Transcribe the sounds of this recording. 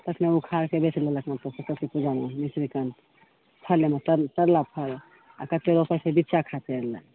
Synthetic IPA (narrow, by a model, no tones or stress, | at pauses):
t̪əkʰneukʰaɾkebet͡ʃleləkʰnat̪əsəsəkipud͡ʒanenisɾikən | pʰəɾlemet̪ət̪əɾlapʰəɾ | a̰kət̪leɾopəɾsebitːʃakʰat̪eɾlə